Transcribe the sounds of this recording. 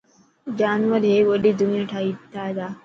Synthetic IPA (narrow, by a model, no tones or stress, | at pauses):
d͡ʒaːnʋəɾɦeːʋəɗid̪ʊnijãʈʰaːiʈ̪ʰaːd͡ʒaː